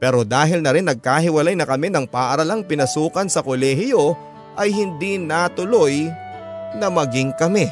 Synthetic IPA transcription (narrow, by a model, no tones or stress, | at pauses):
pɛːɾo̞d̪aːɦɪlnɐɾɪnːɐɡ̚kaːɦɪwɐlajnɐkɐmɛnɐŋpaːʔɐɾɐlaŋpɪnɐsuːkɐnsɐkolɛːɦɪjo̞ | ʔɐjhɪnd̪inɐt̪ʊloj | nɐmɐɡɪŋkɐmɛ